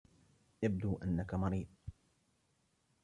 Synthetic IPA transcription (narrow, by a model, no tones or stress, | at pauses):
jabd̪uːʔanːakamɑɾiːd̪ˤ